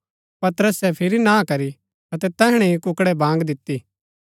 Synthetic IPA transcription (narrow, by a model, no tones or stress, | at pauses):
pɐt̪ɾəsɛpʰɪɾinãːkɐɾi | ɐt̪ɛt̪ɛːɦɽ̃ɛ̃ikʊkɽɛbãːŋɡd̪ɪt̪ːiː